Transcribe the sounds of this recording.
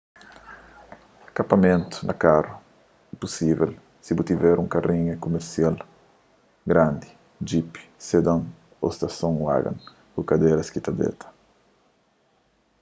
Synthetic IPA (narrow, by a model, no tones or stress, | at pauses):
kapɐmẽnt̪u̥nɐ̰karu | ɛpusivel | sibut̪ivɛɾũŋkarĩɲekumeɾsjal | ɡɾãnd̪i | d͡ʒipi̥sed̪ãŋ | o̰st̪ɐsõŋwa̰ɡɐ̰̃ŋ | kukad̪eɾɐskit̪ad̪ḛt̪ʰɐ̥